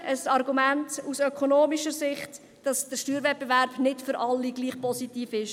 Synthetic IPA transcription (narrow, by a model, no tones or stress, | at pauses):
ʔəsɑɾɡumæntusœkʰonoːmiʃəsɪχt | d̥ɑsd̥əɾʃtyːɾvɛt̚b̥evæɾb̥nɪtfʏɾʔɑlːiɡ̥liːχpɔsitiːfɪʃ